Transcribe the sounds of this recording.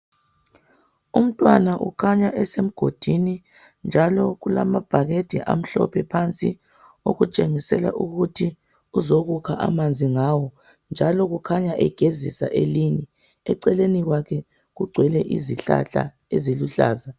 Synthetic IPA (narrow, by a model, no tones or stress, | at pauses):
um̩tʼwanaʔṵkʰaɲaʔɛsem̩ɡ̥ʱod̥ʱini | nd͡ʒʱalɔɣulamab̥ʱaɣed̥ʱḭʔa̰m̩ɬɔ̰pʰɛpʰant͡sʼi | o̰ɣut͡ʃʼeŋisɛla̰ʔuɣutʰi | uzoɣukʰaʔa̰mand͡zʱiŋawɔ | nd͡ʒʱalɔɣukʰaɲaʔɛɡ̥ʱezḭsa̰ʔeliɲɛ | ɛǀɛleniɣwakʰɛ | ɣuɡ͡ǀʱwɛlɛʔḭziɬa̰ɬʼa̰ | eziluɬa̰ːza